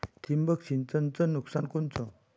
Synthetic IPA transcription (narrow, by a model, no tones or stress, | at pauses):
t̪ʰimbək̚sint͡sənt͡sənuksankont͡so